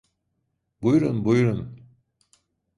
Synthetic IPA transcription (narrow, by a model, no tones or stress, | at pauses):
bujɾunbujɾun